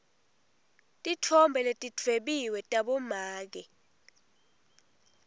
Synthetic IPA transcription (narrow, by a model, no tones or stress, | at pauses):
tʼitʰɔmbʱɛletʼitʰweɓiwɛtʼaɓɔmaːk̬ɛ